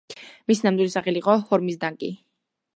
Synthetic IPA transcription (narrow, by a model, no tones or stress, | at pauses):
misinamd̪wilisaχɛliqʼɔhɔɾmisd̪aŋkʼḭ